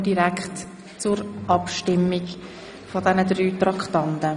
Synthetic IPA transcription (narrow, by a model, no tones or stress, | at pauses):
diɾækχt | t͡sʊɾʔɑpʃtɪmik | fɔdɛnəd̪ɾyːt̪ɾɑkχt̪ɑnt̪ə